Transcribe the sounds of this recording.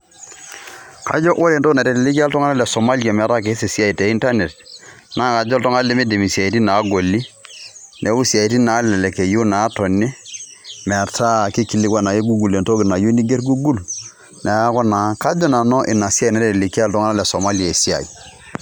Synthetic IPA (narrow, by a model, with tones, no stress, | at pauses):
ka̰˨˦d͡ʒɔ˦ʔo˦le˨nto˦na˨dɛ˨dɪ˨lɪ˦ka˦ltɔ˦ŋa˦na˦lɛ˨sɔ˨ma˦li˦a˨mɛ˨˦ɾa˦k̬e˨˦se˨si˦a˦˨i˨te˨i˦nta˦ne˨tna˦ka˨d͡ʒltɔ˦ŋa˦le˦me˦di˨mi˨sa˨i˨ti˦na˨˦ɡo˨li˦ | ne˨˦u˦si˨a˨i˨ti˦na˨˦lɛ˨lɛ˨ke˨ju˦na˨˦tɔ˨ni˦ | mɛ˨ɾtʰa˦˨ki˦ki˨lɪ˦kwa˦na˨je˦ɡu˦ɡu˨le˨nto˦kɪ˨na˨ju˦ni˦ɡe˦ɾɡu˦ɡu˦l | na˨ja˦kɔ˦na˨˦ka˦d͡ʒɔ˦na˨nɔ˦ʔɪ˨na˨si˦a˨i˨na˨˦dɛ˦te˨li˨ki˦a˦ltɔ˦ŋa˦na˦lɛ˨so˨ma˦li˨a˨e˨si˦a̰˨ḭ˨